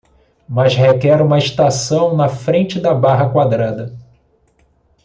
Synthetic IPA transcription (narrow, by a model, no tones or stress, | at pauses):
mɐshekɛɾũmɐist̪asɐ̃w̃nɐfɾẽnt͡ʃɪd̪ɐbaɦɐkwad̪ɾad̪ɐ